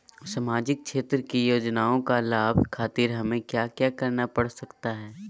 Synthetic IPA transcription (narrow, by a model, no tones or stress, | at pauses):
samaːd͡ʒɪk̚ʃʰeːt̪ɾəkijoːd͡ʒnaːõkalaːbʱkʰaːt̪iɾɦɐmẽkjaːkjaːkɐɾnapɐɽ̤sɐkt̪aɦɛː